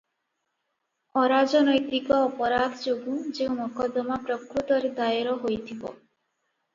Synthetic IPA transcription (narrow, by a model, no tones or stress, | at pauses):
ɔɾad͡ʒɔnɔjt̪ikɔːpɔɾad̪ʱɔd͡ʒoɡũd͡ʒeũmɔkɔd̪ɔmapɾɔkɾut̪ɔɾed̪ajɾɔɦojt̪ʰibɔ̰